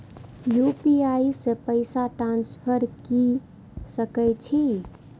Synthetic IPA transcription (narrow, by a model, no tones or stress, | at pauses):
jupiaisepəɪsaʈɾãnspʰəɾki | səkɛjt͡ʃʰi